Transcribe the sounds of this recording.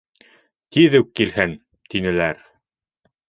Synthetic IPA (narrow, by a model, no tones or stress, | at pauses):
t̪iðɘkːilhɘn | t̪inɘ̆læɾ